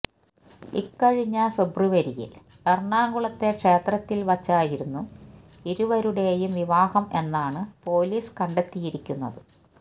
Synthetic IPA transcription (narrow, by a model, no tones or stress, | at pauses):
ḭkːɐɻiɲːɐfe̞bruʋɐɾijḭl | ɐrɳaːŋɡuɭɐt̪ːe̞kʂe̞ːt̪rɐt̪ːilʋɐt͡ɕːaːjiɾunːu | iɾuʋɐɾuɽe̞jumʋiʋaːhɐme̞nːaːɳɨpo̞ːliːskɐɳɖe̞t̪ːijiɾikʲːunːɐ̰ðɨ